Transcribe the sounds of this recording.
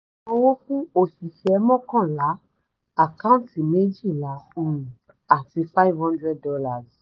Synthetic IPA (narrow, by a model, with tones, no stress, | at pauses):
õ˦wo˦fũ˦o˦˨fi˨ʃɛ˨mɔ̃˦kã˦˨la˨˦ | a˦˨ka˦ũ˦tĩ˨me˦d͡ʒi˦˨la˨˦u˦˨ũ˨ | a˨ti˧fa˦i˦vhɔ̃˦ndɾɛ˦d̚ːɔ˧la˨z